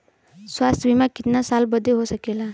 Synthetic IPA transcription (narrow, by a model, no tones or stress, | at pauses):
sʋast̪ʰəʋimakit̪nasalbəd̪ʱːeɦosəkela